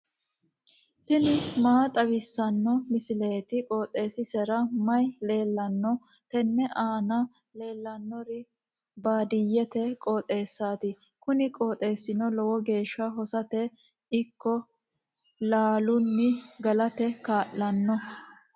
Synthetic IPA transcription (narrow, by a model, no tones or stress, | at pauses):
t̪ɪnɪmaːt̪ʼɐwɪsːɐnːɔmɪsɪleːt̪ɪkʼoːt̪ʼːe̞ːsɪsɛɾɐmɐjle̞ːlːɐnːɔ | t̪ɛnːɛʔaːnɐ | le̞ːlːɐnːɔɾɪ | baːd̪ɪjːɛt̪ɛkʼoːt̪ʼe̞ːsːaːt̪ɪ | kʊnɪkʼoːt̪ʼe̞ːsːɪnɔlɔwɔɡe̞ːʃːɐɦɔsɐt̪ɛ | ɪkːɔ | laːlʊnːɪɡɐlɐt̪ɛkaːʔːɐnːɔ